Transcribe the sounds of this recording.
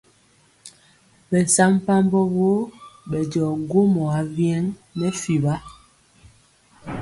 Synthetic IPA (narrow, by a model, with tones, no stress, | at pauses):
bɛ˨sa˦m˦pa˦mbɔ˦bo˦bɛ˨dɔ˨ɡo˦mɔ˨a˨˦vjɛ˦ŋnɛ˦fi˨ba˦